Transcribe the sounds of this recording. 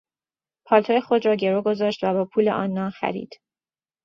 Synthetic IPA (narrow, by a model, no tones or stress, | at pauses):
pʰɒːlt̪ʰoːjexo̞d̪ɾɒːɟe̞ɾoɡo̞zɒːʃt̪væbɒːpʰuːlḛʔɒ̰ːnːɒːnxæ̰ɾḭːd̪̥